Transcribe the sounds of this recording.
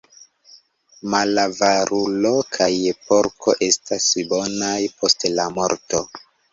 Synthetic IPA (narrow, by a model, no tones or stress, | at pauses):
malavaɾulo̞kʰajepo̞ɾkʰo̞̰ʔe̞stasbo̞najpʰo̞stlamo̞ɾto̞